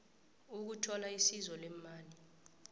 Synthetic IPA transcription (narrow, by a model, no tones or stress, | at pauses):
uk̬utʰɔlaisizɔlɛmaːli